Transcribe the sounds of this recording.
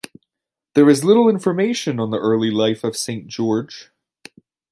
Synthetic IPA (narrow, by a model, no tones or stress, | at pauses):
ðə˞ɪzlˠɪɾl̩ˠɪ̃ɱfə˞meʃə̃nə̃nðiʔɜ˞lˠilˠaɪfəv̥sẽnd̥ʒ̥ɔɹd̥ʒ̥